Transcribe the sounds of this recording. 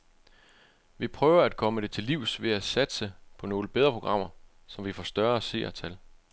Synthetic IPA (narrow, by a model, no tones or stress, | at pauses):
ʋipʰʁœːʊɐæd̥̚kʰɒ̽məd̥e̝t͡sʰe̝lːiʊ̰sʋe̝æsæd̥səpʰɒ̽no̝ːləb̥eð̞ˠʁɐpʰo̝ɡ̥ʁɑ̈m̰ɐ | sɒ̽mʋifɒːsd̥ɶɐse̝̰ːɐt͡sʰæl